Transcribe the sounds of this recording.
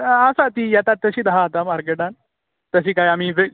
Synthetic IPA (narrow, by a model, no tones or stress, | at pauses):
asat̪ijat̪at̪ːəɕiːd̪aɦaːt̪amaɾkeʈan | t̪əɕ̬iːkajam̤iʋe